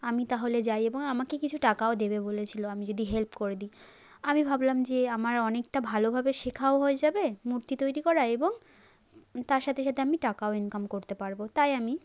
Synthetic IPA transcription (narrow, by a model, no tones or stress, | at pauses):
amit̪aɦoled͡ʑajeboŋamakekit͡ɕʰuʈakaod̪ebebolet͡ɕʰiloamid͡ʑod̪iɦelpkoɾed̪i | amibʱablamd͡ʑeamaɾɔnek̚ʈabʱalobʱabeʃekʰaoɦoed͡ʑabemuɾt̪it̪ojɾikɔɾaeboŋ | t̪aɾʃat̪ʰeʃat̪ʰeamiʈakaoenkamkoɾt̪epaɾbot̪ajami